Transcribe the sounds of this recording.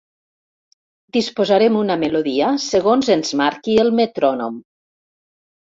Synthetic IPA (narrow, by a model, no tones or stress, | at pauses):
d̪ispozaɾemunameloðiasəɣonzənzmaɾkiəlˠmet̪ɾɔnom